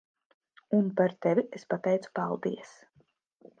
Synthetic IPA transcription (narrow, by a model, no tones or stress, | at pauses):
unpaɾt̪ɛvʲiespat̪ɛjt̪su̥palˠd̪iɛs